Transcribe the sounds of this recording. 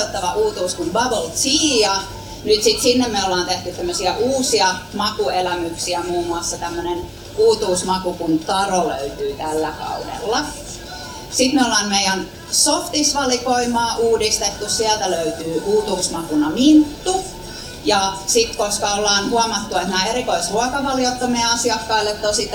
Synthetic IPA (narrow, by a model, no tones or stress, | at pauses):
ot̪ːɑʋɑʔuːt̪uːskunʋɑbolt̪siːjɑ | nyt̪sit̪sinːemmeolːˑɑːnt̪eht̪yt̪t̪æmːøsiæʔuːsiɑmɑkuelæmyksiæmuːmuɑsːɑt̪æmːønen | uːt̪uːsmɑkukunt̪ɑrolø̰yt̪yːt̪ælːækɑ̰udḛlːɑ | sit̪meolːˑɑːnmeijæn | soft̪isʋɑlikoimˑɑːʔuːdist̪et̪ːussiælt̪æløyt̪yːʔuːt̪uːsmɑkunɑmint̪ːu | jɑsit̪koskɑolːɑːnhuɑmɑt̪ːuet̪næːerikoisruɑkɑʋɑljot̪ːɑmeɑsiɑkːɑilːet̪ːosit̪